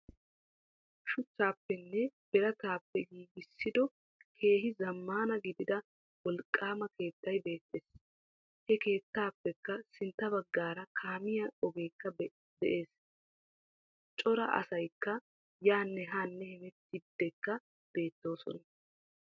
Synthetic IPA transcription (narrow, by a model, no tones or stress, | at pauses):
ʃʊt͡ʃːaːpːɛnːɛb̥ɛɾɐt̪aːpːɛɡiːɡɪsːɪd̪ɔ | kʰe̞ːɦɪzɐmːaːnɐɡɪd̪ɪd̪ɐ | wɔlkʼːaːmɐke̞ːt̪ːɐjbe̞ːt̪ːeːs | hɛke̞ːt̪ːaːpːɛkːɐsɪnt̪ːɐbɐɡːaːɾɐkʰaːmɪjɐɔɡe̞ːkːɐ | d̪ɛʔe̞ːs | t͡ʃʼɔɾɐʔɐ̰sɐjkːɐ | jaːnːɛɦaːnːɛhɛmɛt̪ːɪd̪ːɛkːɐ | b̥e̞ːt̪ːo̞ːsɔ̰nɐ